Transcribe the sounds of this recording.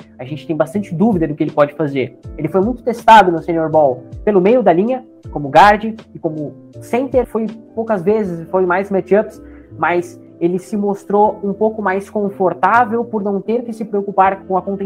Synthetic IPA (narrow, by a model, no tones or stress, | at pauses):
ɐʒẽnt͡ʃɪ̥t̪ẽj̃bast̪ɐ̃nt͡ʃɪd̪uvid̪ɐd̪ʊkɪelɪpɔd͡ʒɪfazeɾelɪfojmũj̃t̪ʊ̥t̪est̪ad̪ʊnʊsẽɲoɾbɔwpelʊmejʊd̪ɐlĩɲɐ | kõmʊɡaɾd͡ʒɪɪkõmʊ | sẽnt̪eɾfojpowkɐzvezɪsfojmajzmɛt͡ʃɐps | mɐs | elɪsɪmost̪ɾoũpowkʊmajskõfoɾt̪avewpʊɾnɐ̃w̃t̪eɾkɪsɪpɾeokupaɾkõw̃ɐkõnt̪ẽ